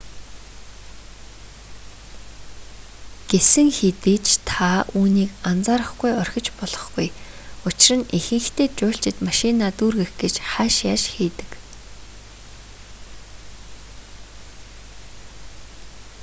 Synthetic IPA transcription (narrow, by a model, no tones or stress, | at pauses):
ɡ̥esɘ̆ŋxet̪eːt͡ɕt̪ʰauːniːkant͡saːɾə̆χɡujɔrʲxʲɪ̆t͡ɕpɔɮɞ̥̆χɡujʊt͡ɕɪ̆rə̆nixɘ̆ŋxt̪ʰeːt͡ɕʊːɬt͡ɕɪ̆t̪maʃinaːt̪uːrɣĕxɡet͡ɕχæːʃjaːʃxiːt̪ɘ̥̆k